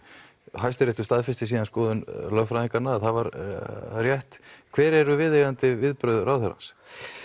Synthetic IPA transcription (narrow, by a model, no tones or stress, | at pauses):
ɦajst̪ʏɾɛht̪ʏ̥st̪aːðfɪst̪ɪsiːðanskɔːðʏnlœfɾaðiŋkanaaðθaðvaɾ | rjɛht̪kʰvɛːɾɛɾʏvɪðeɣant̪ɪvɪðpɾœɥðɾaːwθœɾa̰ns